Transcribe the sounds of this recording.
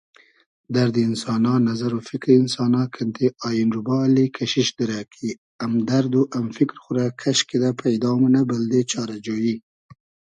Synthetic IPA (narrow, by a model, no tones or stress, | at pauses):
d̪aɾd̪iɪnsɑnɑnazaɾofɪkɾɪnsɑnɑkʰɪnt̪ʰeʔɑjɪnɾubɑlikʰaʃɪʃd̪ɪɾakʰi | amd̪aɾd̪uʔamfɪkɾxʊɾakʰaʃked̪apʰajd̪ɑmanabəld̪et͡ʃɑɾad͡ʒoji